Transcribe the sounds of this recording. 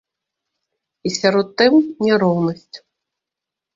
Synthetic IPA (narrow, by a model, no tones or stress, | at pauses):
isʲaɾɔt̪ːɨmnʲɛɾɔwnɐsʲt͡sʲ